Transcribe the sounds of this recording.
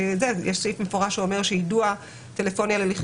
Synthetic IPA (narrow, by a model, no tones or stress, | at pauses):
zejɛʃsifmefo̞ʁaʃuome̞ʁʃejidua | t̪elefo̞njaleliχ